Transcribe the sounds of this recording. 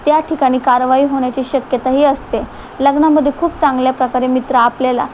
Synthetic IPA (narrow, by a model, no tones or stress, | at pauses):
t̪jaʈʰikaɽ̃iːkaɾʋaiːɦoɽ̃jat͡ɕiːɕəkjət̪aɦiːəst̪e | ləɡɳaməd̪ʱːekʰuːp̚t͡sãŋɡljapɾəkaɾemit̪ɾaːplela̰